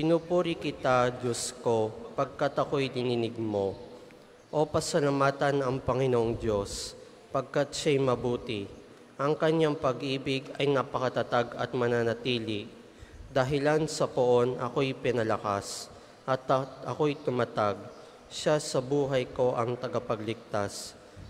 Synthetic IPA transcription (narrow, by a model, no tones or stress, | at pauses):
pɪnupuːɾɪkɪt̪ad͡ʒosko̞pɐɡ̚kat̪ɐko̞jd̪ɪnɪnɪɡ̚mo̞ | ʔo̞pɐsɐlɐmaːt̪ɐnɐŋpɐŋɪnoʔoŋd̪o̞s | pɐɡ̚kat̪̚ʃajmɐbuːt̪ɪ | ʔɐŋkɐɲaŋpɐɡʔiːbɪɡɐjnapɐkɐt̪ɐt̪aɡɐt̪̚mɐnaːnɐt̪iːlɪ | d̪ɐɦɪlansɐpoʔo̞nʔɐko̞jpɪnɐlɐkas | ʔɐt̪ɐko̞jt̪ʊmɐt̪aɡ̚ | ʃasɐbuːɦɐjko̞ʔɐŋt̪ɐɡɐpɐɡlɪk̚t̪as